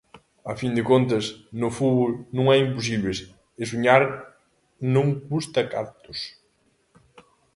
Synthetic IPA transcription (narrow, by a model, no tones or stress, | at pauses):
afind̪ɪkont̪ɐsnʊfuβolnũŋɛimpos̬iβles | ɪs̬uɲaɾ | nõŋkust̪ɐka̰ɾt̪ʊs